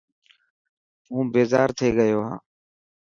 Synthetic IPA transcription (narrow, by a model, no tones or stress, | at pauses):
ũːbeːzaːɾt̪ʰeːɠəjoːɦã̰ː